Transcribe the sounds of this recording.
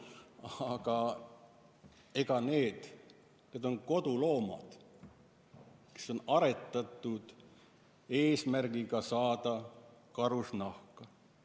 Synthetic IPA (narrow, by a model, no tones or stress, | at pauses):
ɑɡ̥ɑ | e̞ɡ̥ɑne̞ːd̪̥ | ke̞d̪̥o̞nko̞d̪ulo̞ːmɑ̰d̪̥ | ke̞̥so̞nɑɾe̞t̪ˑːɑt̪ːˑud̪̥ | e̞ːsmærɡ̥iɡ̥ɑsɑːd̪̥ɑkɑɾusnɑhkɑ